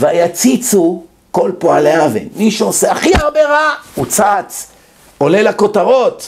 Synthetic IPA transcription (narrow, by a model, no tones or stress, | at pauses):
vajat͡sit͡su | ko̞lpoaleavḛnmiʃeose̞aχiaʁbe̞ʁaut͡sat͡s | o̞le̞lako̞taʁo̞t̪